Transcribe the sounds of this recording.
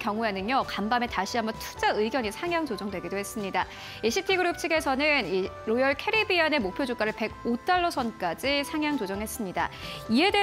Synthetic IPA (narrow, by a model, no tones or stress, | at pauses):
kjʌŋuenɯnjʌkambame̞taɕʰiambʌntʰu̥d͡ʑaɯiɡjʌɲisʰaŋjaŋt͡ɕod͡ʑʌŋdwe̞ɡidoɦe̞s͈ɯmɲida | iɕʰitʰiɡɯɾup̚t͡ɕʰiɡesʰʌnɯni | ɾojʌɭkʰe̞ɾibiane̞mok̚pʰjod͡ʑok͈aɾɯɭpe̞ɡ̚ot͈aɭːʌsʰʌnk͈ad͡ʑisʰaŋjaŋt͡ɕod͡ʑʌŋɦe̞s͈ɯmɲida̰ie̞de